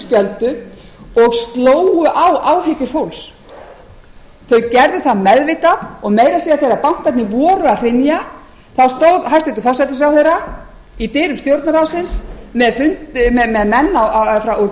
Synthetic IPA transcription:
scɛlt̪ʏɔɣst̪loːwʏʔawʔaːwɦecɪɾ̥fowls | θœɥcɛɾðʏθaðmɛðvɪːt̪aɔɣmeːjɾasiːaθejɾapam̥t̪at̪nɪvɔːɾʏaðr̥ɪnja | θawst̪owɾɦajst̪ɪt̪ʏfɔsat̪ɪs̬ɾawθejɾa | it̪ɪːɾʏmst̪jowɾt̪naɾawsɪnsmɛðfʏn̥mɛmɛðmɛnːaafɾawɔɾ

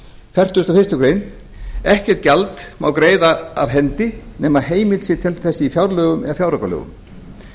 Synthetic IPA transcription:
fɛr̥t̪ʏst̪afɪst̪ʏkɾeːjn | ɛhcɛɾ̥t̪̚calt̪mawkɾeːjðaa̰vɦɛnt̪ɪnɛːmaɦeːjmɪlsɪt̪ʰɛlθɛsːɪifjawɾlœɣʏmɛ̰ɣafjawɾakalœ̰ɣʏ̰m

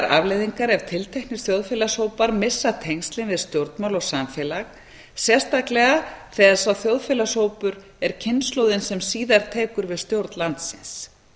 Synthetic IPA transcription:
ɾa̰vlejðiŋkaɾɛv̥t̪ʰɪlt̪ʰɛknɪɾ̥θjowðfɪːlashoːwpaɾmɪsːat̪ʰejŋst̪lɪnvɪðst̪jowɾt̪nmawlɔɣsamfɛlaɣ | sjɛ̥st̪aklɛɣaθɛðasawθjowðfɪːlashowpʏɾ | ɛɾcʰɪnːslowðɪnsɛmsiːðaɾ̥t̪ʰeːkʏɾvɪðst̪jowɾt̪nlant̪sɪns

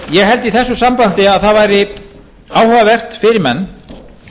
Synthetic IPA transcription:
jɛɣɦɛlt̪iθɛsːʏsampant̪ɪaðθaðvajɾɪ | aːwhœvavɛr̥t̪fɪɾɪɾmɛnː

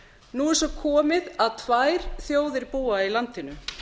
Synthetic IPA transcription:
nuɛsɔkʰɔːmɪðaðt̪ʰvaːjɾ̥θjoːwðɪɾpuːailant̪ɪnʏ

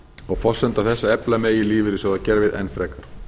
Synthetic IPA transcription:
ɔɣfɔsɛnt̪aθɛsːaɛplameːjɪliːvɪɾɪsɔɣðaðcɛːɾavɪðɛ̰nfɾɛːkaɾ̥

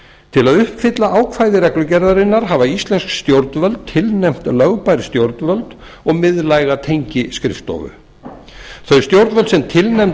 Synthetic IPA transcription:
t̪ʰɪlaðʏhpfɪt̪laʔaːwkʰvajðɪɾɛklʏcɛɾðaɾɪnːaɾɦavaist̪lɛnskst̪jowɾt̪nvœlt̪t̪ʰːɪlnɛjm̥t̪lœɣpajɾɪst̪jowɾt̪nvœlt̪ | ɔɣmɪðlaːjɣat̪ʰejɲcɪskɾɪ̰ft̪ɔ̰vʏ̰ | θœɥst̪jowɾt̪vœlt̪sɛmt̪ʰɪlnɛm

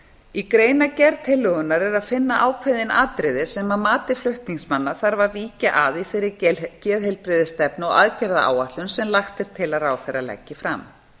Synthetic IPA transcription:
ikɾeːjnacɛɾðt̪ʰɪlːʏɣʏnːaɾɛɾaðfɪnːaʔaːwkʰvɛðɪnaːt̪ɾɪðɪsɛmaðmaːt̪ɪflʏht̪niŋsmanːaθaɾvaɾviːcaʔaðiθejɾːɪcɛːðɦɛjlpɾɪðɪst̪ɛpnʏɔa̰ðcɛɾða̰ʔa̰ːwat̪lʏnsɛmlaxt̪ɪɾ̥t̪ʰɪlaɾaːwθejɾalɛ̰cːɪfɾa̰m

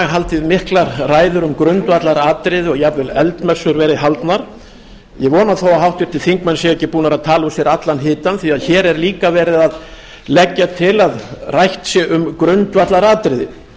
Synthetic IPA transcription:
ɣɦalt̪ɪðmɪhklaɾraːjðʏɾʏmkɾʏnt̪vat̪laɾaːt̪ɾɪðɪɔɣjɛavvɪlɛlt̪mɛsːʏɾvɛːɾɪɦalt̪naɾ̥ | jɛɣvɔːnaθowaɦawht̪vɪɾt̪ʰɪlθiŋkmɛnsjɛɣɛcːɪpuːnaɾaðt̪ʰaːlʊsjɛɾat̪lanɦɪːt̪anθiaðçɛːɾɛɾliːkavɛːɾɪðað | lɛcːat̪ʰɪlaðrajht̪sjɛɣʏmkɾʏnt̪vat̪laɾaːt̪ɾɪðɪ

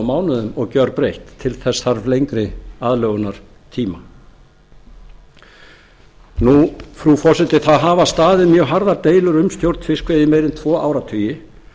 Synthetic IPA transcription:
maːwnʏðʏmɔɣcœɾpɾejht̪ʰːɪlθɛsaɾvlejŋkɾɪaðlœːɣʏnaɾ̥ | t̪ʰiːma | nufɾufɔrsɛt̪ɪθaðɦaːvast̪aːðɪmjœːɣɦaɾðat̪eːjlʏɾʏmst̪jowɾt̪nfɪskvejðɪmejɾɪnt̪ʰvɔːʔawɾat̪ʰœːjɪ

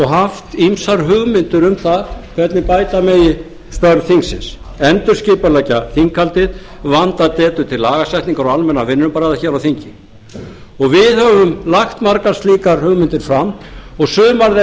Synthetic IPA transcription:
ɔɣɦaft̪imsaɾ̥ɦʏɣmɪnt̪ʏɾʏmθaðkʰvɛt̪nɪpaːjt̪amɛjɪ | st̪œɾθiŋksɪ̰ns | ɛnt̪ʏɾscɪːpalɛcaθiŋkʰːalt̪ɪð | vant̪at̪ɛːt̪ʏ̥t̪ʰɪlːaːɣasjɛjht̪niŋkaɾɔalmɛnːavɪnːʏmpaːɾaðaçɛːɾawθiɲcɪ | ɔɣvɪðhœvʏmlaxt̪maɾkarst̪liːkaɾ̥hʏɣmɪnt̪ɪɾ̥fɾamɔɣsʏːmaɾðɪ

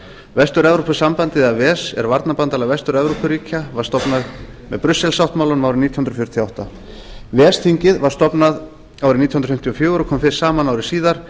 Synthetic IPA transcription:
vɛst̪ʏɾɛvɾɔpasampant̪ɪðavɛːsɛ̰ɾvaɾt̪napant̪alaɣvɛst̪ʏɾɛvɾupʏɾiːcʰavaɾ̥st̪ɔpnað | mɛðpɾʏsːɛlsawht̪mawlʏnmaːwɾɪniːt̪jhʏnɾfjʏɾt̪ʰjɔawht̪a̰ | vɛːst̪ʰiɲcɪðvaɾ̥st̪ɔpnað | aːwɾɪniːt̪jhnɾfɪm̥t̪jɔfjʏːwɾɔkʰɔːmfɪ̥saːmanawɾɪsiːðaɾ̥

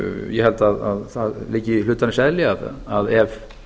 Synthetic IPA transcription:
jɛhɛlt̪aða̰ððlɪcːəihlʉːt̪anɕɛlɪað̰aðɛv

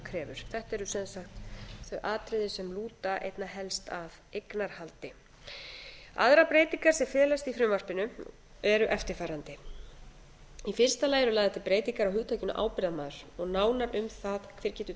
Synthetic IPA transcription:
kʰɾɛːvʏɾ̥θɛht̪ɛɾʏsɛnsaxt̪θœɥʔaːt̪ɾɪðɪsɛmluːt̪aʔḛjt̪naɦɛlst̪avejknaɾ̥halt̪ɪ | a̰ðɾapɾeːjt̪iŋkaɾ̥sɛmfɛːðlast̪ifɾʏmvar̥pɪnʏ | ɛɾʏʔɛft̪ɪɾ̥faːɾant̪ɪ | ifɪr̥st̪alaːjɛɾʏlajðat̪ʰɪlpɾeːjt̪iŋkaɾawɦʏːt̪ʰajcɪnʏ̰ʔa̰ːwpɪɾðamaːðʏɾ̥ɔɣnaːwnaɾʏmθaðkʰvɛːɾcɛːt̪ʏ

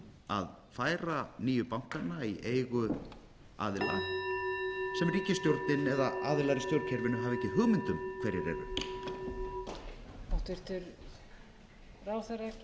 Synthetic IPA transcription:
a̰ð | faːjɾaniːjʏpawŋ̥kanːaiʔeːjɣʏ | a̰ːðɪla̰ | sɛmriːcɪst̪jowɾt̪nɪnɛðaaːðɪlaɾɪst̪jowɾcʰɛɾvɪnʏɦaːvɪɛhcːɪɦʏɣmɪnt̪ʏmkʰv̥ɛjɾɪɾɛ̰ɾʏ̰ | ɔht̪vɪɾ̥t̪ʏɾ | raːwθaɾɛc

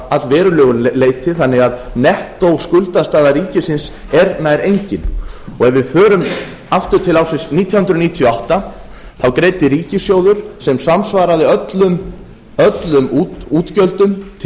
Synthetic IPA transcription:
aðvɛːɾʏlœːɣʏleːjt̪ɪθanːɪɣaðnɛht̪owskʏlt̪ast̪aːðaɾiːcɪsɪns | ɛɾnajɾejɲcɪnɔɣɛvɪðfœːɾʏm | aft̪ʏɾ̥t̪ʰɪlawsɪnsniːt̪ʰjɔhʏnd̪ɾʏniːt̪ʰjɔawht̪a | θawkɾeːjt̪ɪɾiːcɪsjoːwðʏɾ̥sɛmsamsvaːɾaðɪœt̪lʏm | œt̪lʏmuːt̪cœlt̪ʏmt̪ʰ

